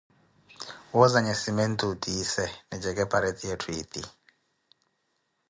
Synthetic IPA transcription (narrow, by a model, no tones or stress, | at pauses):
wɔzaɲɛsimentʼudisɛnɛd͡ʒɛkʼɛpʰaɾet̪ʰʼijɛtʰwiːt̪ʼi